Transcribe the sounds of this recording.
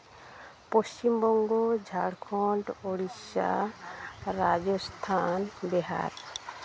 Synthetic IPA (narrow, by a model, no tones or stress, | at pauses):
post͡ʃimbɔŋɡod͡ʒʱaɽkʰɔɳʈoɽisa̰ | ɾad͡ʒɔst̪ʰanbɛɦa̰ɾ